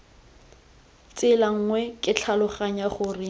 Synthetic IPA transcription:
t͡sɪlaŋ̩ːŋwɛkʼɪt͡ɬʰalʊχaɲaχʊːrɪ

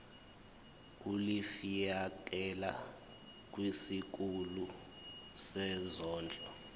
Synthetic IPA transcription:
ulifijak̬ɛla̰ | k̬ʼwisik̬ulu | sɛzɔːnd͡ɮʱʼɔ

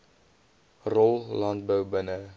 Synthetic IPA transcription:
rɔlˠlɑnt̚bəwbənə

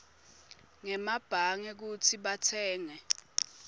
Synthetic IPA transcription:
ŋɛmab̥ʱaŋɛk̬utʰiɓatʰɛːŋɛ

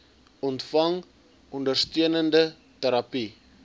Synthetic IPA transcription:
ɔntfɐŋ | ɔndərstyənəndə | təɾɐpi

